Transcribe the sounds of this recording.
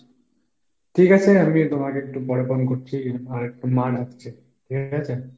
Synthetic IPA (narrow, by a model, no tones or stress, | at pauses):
ʈʰikat͡ɕʰeamit̪omakeek̚ʈupɔɽeponkoɾt͡ɕʰiemaɾek̚ʈumanakt͡ɕʰe | ʈʰikat͡ɕʰe